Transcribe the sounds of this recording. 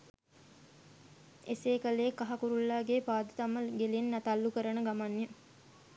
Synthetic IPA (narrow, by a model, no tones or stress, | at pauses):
eseːkəleekːaɦakuɾulːaːɡeːpaːd̪ət̪amːəɡelenːat̪alːukəɾənəɡamanːjə